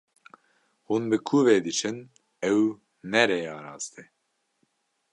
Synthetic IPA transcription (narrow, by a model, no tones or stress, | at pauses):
huːnbɨkʰuːveːd̪ɨt͡ʃʰɨn | ɛw | nɛɾeɑːɾɑːzt̪ʰɛ